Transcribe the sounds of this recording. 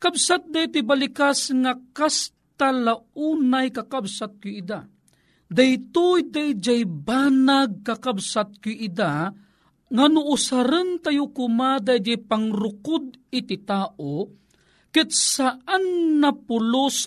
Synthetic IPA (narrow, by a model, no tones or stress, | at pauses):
kabsat̪̚d̪ajt̪ibalikasŋakas | t̪alauːnajkakabsat̪̚kʊid̪a | d̪ajt̪ujd̪ajd͡ʒajbanaɡ̚kakabsat̪̚kʊʔɪd̪a | ŋanʊʔʊsaɾɨnt̪ajʊkʊmad̪ajd͡ʒajpaŋɾʊkʊd̪̚ɪt̪ɪt̪aːʔo | kɪt̪̚saʔanːapʊlʊs